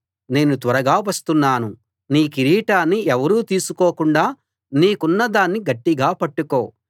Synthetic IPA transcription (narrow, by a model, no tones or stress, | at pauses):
ne̞ːnut̪ʋɐɾɐɡaːʋɐst̪unːaːnu | niːkiɾiːʈaːnːiɛʋɐɾuːt̪iːsukoːkuɳɖaː | niːkunːɐd̪aːnːiɡɐʈːiɡaːpɐʈːuko̞ː